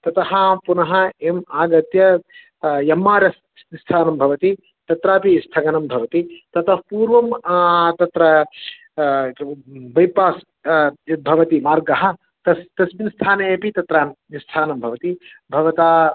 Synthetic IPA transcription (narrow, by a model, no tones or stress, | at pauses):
t̪ɐt̪ɐɦɐpunɐɦɐemaːɡɐt̪jɐ | jɐmːaːɾjɐs | st̪ʰaːnɐmbʱɐʋɐt̪i | t̪ɐt̪ɾaːpist̪ʰɐɡɐnɐmbʱɐʋɐt̪it̪ɐt̪ɐhpuːɾʋɐmt̪ɐt̪ɾɐ | bɐjpaːs | bʱɐʋɐt̪imaːɾɡɐɦɐ̆ | t̪ɐst̪ɐsminst̪ʰaːnɐɐpit̪ɐt̪ɾaːn | ist̪ʰaːnɐmbʱɐʋɐt̪i | bʱɐʋɐt̪aː